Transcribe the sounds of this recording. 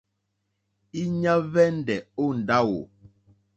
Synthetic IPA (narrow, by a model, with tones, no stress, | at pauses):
i˦ɲa˦vɛ˦n̩˦dɛ˨o˦˨n̩˨da˦wo˨